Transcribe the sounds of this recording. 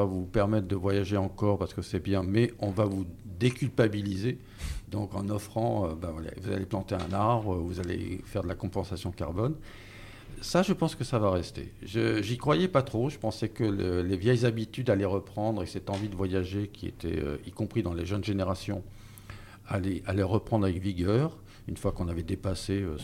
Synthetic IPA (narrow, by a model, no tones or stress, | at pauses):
vavupɛʁmɛt̪χd̪əvwajaʒeɑ̃kɔʁpaʁsə̥kəsɛbjɛ̃mɛɔ̃vavud̪ekʲylpabilize | d̪ɔ̃kɑ̃nɔfχɑ̃øbavwala̰vuza̰leplɑ̃t̪eɛ̰̃naʁbʁəvuzalḛfɛʁd̪əlakɔ̃pɑ̃sasjɔ̃ka̰ʁbɔn | saʒəpɑ̃skəsavaʁɛst̪ḛʒəʒikχwajɛpat̪χoʒəpɑ̃sɛkəllevjɛjzabit̪yd̪alɛʁəpχɑ̃d̪ʁekəsɛt̪ɑ̃vid̪əvwajaʒekʲʰiḛt̪ʰɛ̰ø̰ikɔ̃pχid̪ɑ̃leʒənʒeneʁasjɔ̰̃ | alɛʔalɛʁəpχɑ̃d̪ʁavɛkviɡʲœːʁ | ynfwakɔ̃navɛd̪epaseø